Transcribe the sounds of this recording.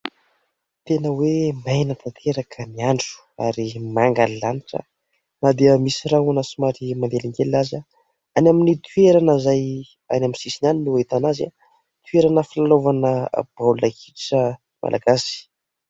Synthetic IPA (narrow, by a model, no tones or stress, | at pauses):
t̪enəwemajnət̪ʰant̪ʰeɾakʰəniaɳɖ͡ʐu̥ | a̰ɾimaŋɡalilaniʈ͡ʂə̰ | nad̪eəmisiɾaɦanasumaɾimand̪eliŋɡelaza | anaminit̪ʰwieɾanəzaj | a̰naminsisinaninuwet̪anaza̰ | t̪ʰweɾanəfilalovanə̰b̥awlakiʈ͡ʂə | mʔa̰lʔaɡasi̥